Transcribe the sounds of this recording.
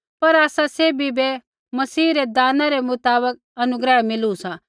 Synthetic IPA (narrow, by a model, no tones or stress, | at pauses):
pɐɾaːsaseːbʱibe | mɐsiːɾed̪aːnãɾemʊt̪aːbək̚ɐnʊɡɾəɦmɪlusã